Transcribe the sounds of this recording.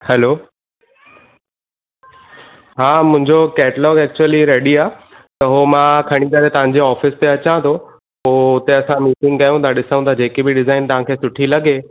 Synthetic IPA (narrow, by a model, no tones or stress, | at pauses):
hɛloː | ɦaːmʊ̃ɪ̃ɲd͡ʑokɛːʈəlɔːɡɛːk̚t͡ɕuəliɾeːɽiaː | t̪ɐɦomãkʰɐɽ̃ikɐɾet̪ɐʋ̤ãɲ̆d͡ʑeɔːfɪst̪eɐt͡ɕãt̪ʰo | poːʊt̪eɐsãmiːsɪ̃ŋɡɐjũt̪ʰaɗɪsəũt̪ʰad͡ʑeːkebɪɖɪzaːɪnt̪ɐɦãkʰeːsʊʈʰilɐɡe